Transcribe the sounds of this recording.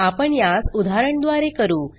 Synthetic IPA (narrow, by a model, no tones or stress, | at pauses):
apəɳjasud̪ʱaɾəɳd̪ʋaɾekəɾuː